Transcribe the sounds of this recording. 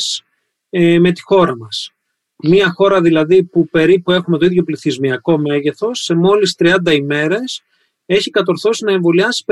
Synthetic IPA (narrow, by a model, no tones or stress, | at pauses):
s | me̞t̪i̥xo̞ɾɐmɐs | miɐxo̞ɾɐðilɐðipupe̞ɾipue̞xume̞t̪o̞iðʝo̞pliθizmiɐko̞me̞ʝe̞θo̞sːe̞mo̞list̪ɾiɐnd̪ɐime̞ɾe̞s | e̞çikɐt̪o̞ɾθo̞sinɐe̞ɱvo̞liɐsi̥p